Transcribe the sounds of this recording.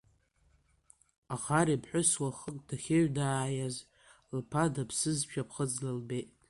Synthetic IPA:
aχaɾipʰħʷᶣʊswaχəkʼd̥aχʲɪɥdaːjaz | lpʰadapʰsɨzʃᶣʰapʰχəd͡zlalbet

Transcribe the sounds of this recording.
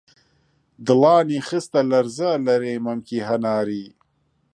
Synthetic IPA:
d̪əlɑːnixəst̪alɐɾzalɐɾemɐmkiɦɐnaːɾiː

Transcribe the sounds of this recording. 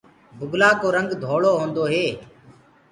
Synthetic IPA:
bʊɡʱlaːkoːɾəŋɡd̪ʱoːɭoːɦõːnd̪oːɦeː

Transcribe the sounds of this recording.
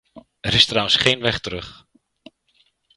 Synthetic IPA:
ɛɾɪstrawənsχejnʋɛχtəɾɵχ

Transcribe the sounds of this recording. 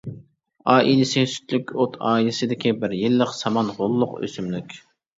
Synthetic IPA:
ɑːʔilɪsɪsy̥t̪lykʲot̪ʰɑ̰ːilɪsɪd̪ɪkʲibɪɾjilːəqsɑmɑnʁolˠːʊqø̰symlykʲ

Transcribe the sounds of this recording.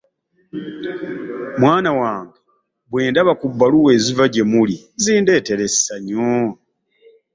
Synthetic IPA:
mwaːnawaːŋɡe | bweːndaβakubːaluwe̞ːzivaɟe̞muli | ziːnde̞ːte̞ɾesaɲo

